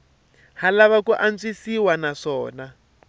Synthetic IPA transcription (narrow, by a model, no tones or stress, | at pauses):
halaβakuʔand͡zisiwanaʂɔːna